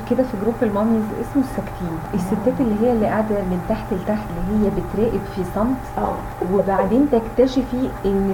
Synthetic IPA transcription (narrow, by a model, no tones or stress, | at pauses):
ked̪æfiɡɾuːpelmɑmizʔḛsmsːækt̪ʰiːnʔesːet̪ːæːt̪elːiɦejːælːiːʔaʕd̪ɑnemt̪aħt̪elt̪aħt̪lːiɦejːæbet̪ɾæːʔebfisˤɑmt̪ʔæ̰ː | webaʕd̪eːnt̪ækt̪æʃefiʔenː